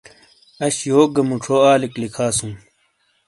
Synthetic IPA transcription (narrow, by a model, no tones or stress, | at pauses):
ɐɕjoːɡɐmuʈ͡ʂʰoːaːliklikʰaːsũː